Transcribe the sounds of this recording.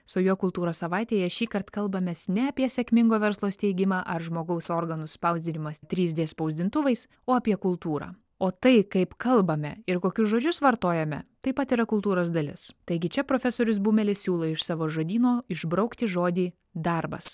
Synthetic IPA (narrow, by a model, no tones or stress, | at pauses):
sʊjoːkʊlˠt̪uːɾoːssɐʋɑɪt̪ʲeːjɛʃʲiːkɐɾt̪kɐlˠbɐmʲeːsnʲɛɐːpʲiɛsʲɛkmʲɪŋɡoːʋʲɛɾslˠoːst̪ʲɛɪɡʲɪmɑːʔɐɾʒmoːɡɐʊsoːɾɡɐnʊsspɐʊzʲd̪ʲɪnʲɪmɐst̪ʲɾʲiːzʲd̪ʲeːspɐʊzʲd̪ʲɪnt̪ʊʋɐɪs | oːɐpʲiɛkʊlˠt̪uːɾɑ̰ː | oːt̪ɐɪkɐɪpkɐlˠbɐmʲɛɪɾkoːkʲʊsʒoːd͡ʒʲʊsʋɐɾt̪oːjɛmʲɛ̰t̪ɐɪpɐt̪iːɾɐkʊlˠt̪uːɾoːs̬d̪ɐlʲɪ̰st̪ɐɪɡʲɪt͡ʃʲɛpɾoːfʲɛsoːɾʲʊsbuːmʲɛlʲɪssʲuːlˠoːɪʃsɑːʋoːʒɐd̪ʲiːnoːɪʒbɾɐʊkt̪ʲɪʒoːd̪ʲiː | d̪ɐɾbɐ̰s